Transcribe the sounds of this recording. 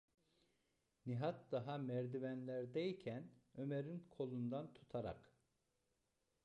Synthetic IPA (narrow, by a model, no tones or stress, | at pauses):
niɦat̪̚d̪aɦamæɾd̪ivænlʲæɾd̪ejicʰænø̞meɾinkʰo̞lˠund̪ant̪ʰu̥t̪ʰaɾa̰k